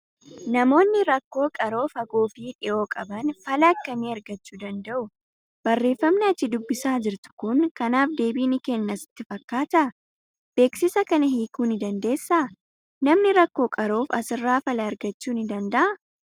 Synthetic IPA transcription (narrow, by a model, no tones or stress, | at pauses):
nɐmo̞ːnːɪɾɐkːo̞ːkʼɐɾo̞ːfɐɡoːfiːᶑɪʔo̞ːkʼɐbɐnfɐlɐːkːɐniːɐɾɡɐt͡ʃːuːd̪ɐnd̪ɐʔʊ | b̥ɐrːe̞ːfːɐmnɛɐt͡ʃːɪd̪ʊbːɪsaːd͡ʒɪɾt̪ʊ̥kʊŋkɐnaːfd̪e̞ːbiːnɪkɛnːɐsɪ̥t̪ːɪfɐkːaːt̪ɐ | b̥e̞ːksɪsɐkɐnɐɦiːkuːnɪd̪ɐnd̪e̞ːsːa | nɐmnɪɾɐkːo̞ːkʼɐɾo̞ːfɐ̰sɪrːaːfɐlɐɐɾɡɐt͡ʃːuːnɪd̪ɐnd̪ɐʔɐ